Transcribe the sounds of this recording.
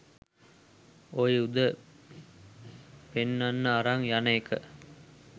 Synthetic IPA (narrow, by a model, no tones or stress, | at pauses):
ojud̪ə | penːanːəaɾaŋjanekʰə̰